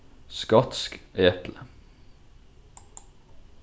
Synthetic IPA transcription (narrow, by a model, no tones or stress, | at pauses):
skɑt̪skʔeːt̪lə